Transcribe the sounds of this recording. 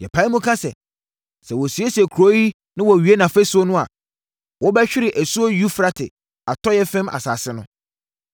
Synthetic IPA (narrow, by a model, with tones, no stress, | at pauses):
jɛ˨pʰa˨˦mʊ̃˦kʰa˦sɛ̰˨ | sɛ˨wɔ˨si˨e˦si˨ɛ˨kʰɾo˨˦ji˦ | nɪ̃˦wɔ˨ɥi˨˦e˦nã˨fe˦sʊ˦o˦nʊ̃˦a̰˨ | wɔ˦bɛ˦ɕᶣɪ˦ɾɪ˨ʔæ˨su˦o˦ju˦fɾa˦tʰɪ̰˨ | a˨tʰɔ˦jɛ˦fɛ̃˦mʔa̰˨sa̰ː˨sɪ˦nʊ̃˦